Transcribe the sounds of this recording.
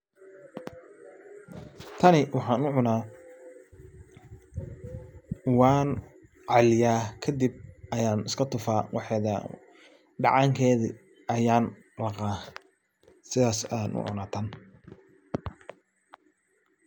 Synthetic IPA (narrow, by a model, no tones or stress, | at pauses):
t̪ʰɐnɪwɑħɑːnʊʕʊnaː | wɑːn | ʕɑlɪjaːkʰɐd̪ib̚ɐjaːnɪskʰɐt̪ʰʊfaːwɑħɛːðɐ̰ | ɖɑ̰ʕɑŋkʰɛːðɪ | ɐjaːn | lɑqaː | sɪðaːsanʔʊ̰ʕʊ̰naːt̪ʰɐn